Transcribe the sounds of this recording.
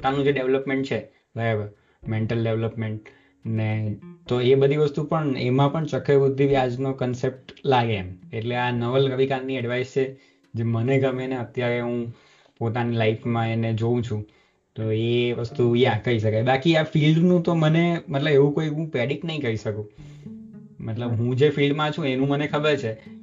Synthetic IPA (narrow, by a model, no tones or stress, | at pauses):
popt̪anũd͡ʒeɖeʋləpmẽɳʈt͡ʃʰe | bʱəebə | meɳʈəlɖeʋləpmeɳʈ̚ | net̪oebəd̪ʱiʋəst̪upəɳḛmãpəɳt͡ʃəkʰebud̪ʱːiʋjad͡ʒnokənsep̚ʈlaɡeːmeʈleanəʋəlɾəʋikanːiɛɖʋaist͡ʃʰe | d͡ʒeməneɡəmeneət̪jaɾeɦũ | pot̪anilaifʰmãened͡ʒoũt͡ʃʰũ | t̪oeʋəst̪ujãkəɾiʃəkajbakiafilɖnũt̪omənemət̪ləbeʋũkoiɦũpɛɽiʈnəɦĩkəɾiʃəkũ | mət̪ləbɦũd͡ʒefilɖmãt͡ʃʰũenũmənekʰəbəɾt͡ʃʰe